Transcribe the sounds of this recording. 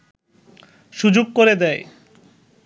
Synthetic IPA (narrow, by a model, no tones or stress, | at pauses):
ʃud͡ʑoɡ̚koɾed̪ɛe